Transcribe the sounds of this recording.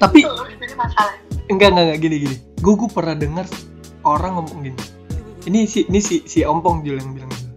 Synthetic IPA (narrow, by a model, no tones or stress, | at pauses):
t̪apiimasalaŋɡaŋɡaŋɡaʔɡiniɡiniɡaɡupərnadəŋar | oɾaŋɔmpɔŋɡini | inisiinisisiɔmpɔŋd͡ʒuljaŋbilaŋd͡ʒuu